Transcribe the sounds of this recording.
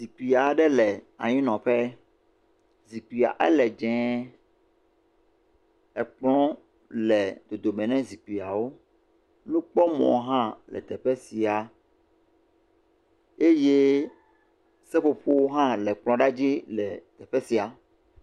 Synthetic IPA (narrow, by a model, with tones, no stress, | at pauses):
zi˨k͡pi˨a˨ɖɛ˦lɛ˨a̰˨ɲĩ˦nɔ̃˨ɸɛ˦ | zi˨k͡pi˨a̰˨ʔɛ̰˦lɛ˨d͡ʒɛ̃˨˦ | ɛ˨k͡plɔ̃˦ | lɛ˨d̪o˨d̪o˨mɛ̃˨nɛ̃˦zi˨k͡pi˨a˨wo˦ | nũ˦k͡pɔ˦mɔ̰̃˨˦ɦã˦lɛ̰˨t̪ɛ˨ɸɛ˦si˨a˨ | e˦je˦ | sɛ˦ɸo˦ɸo˦wo˦ɦã˦lɛ˨k͡plɔ̃˦ɖa˦d͡ʑi˦lɛ˨t̪ɛ˨ɸɛ˦si˨a˨